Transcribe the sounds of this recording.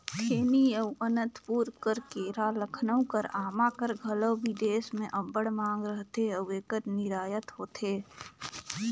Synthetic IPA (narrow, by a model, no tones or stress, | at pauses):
t̪ʰeːniəwənə̃nt̪puːɾkəɾkeːɾaləkʰnəʊ̃kəɾaːmakəɾɡʱələbʱid̪eːsmẽʔɐbəɽmãːŋɡɾəɦt̪eəweːkəɾnɪɾaːjət̪ɦoːt̪eː